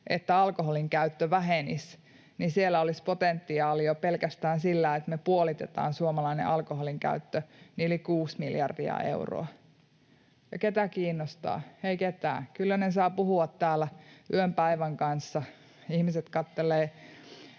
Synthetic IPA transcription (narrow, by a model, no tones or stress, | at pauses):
ʔḛt̪ːæɑlkoɦoliŋkæyt̪ːøʋæɦenḭs | nisielːæolispot̪ent̪ːiɑːliopelkæst̪æːnsilːæet̪mepuolit̪et̪ɑ̰ːnsuomɑlɑinḛʔɑlkoɦoliŋkæ̰yt̪ːøniolikuːsmiljɑ̰rdḭɑ̰ḛuro̰ɑ | jɑket̪ækiːnːost̪ɑ̰ːeiket̪æ̰ːkylːænesɑːpuhuɑt̪tæːlæyømpæiʋæŋkɑnsːɑ | ihmiset̪kɑt̪ːeleː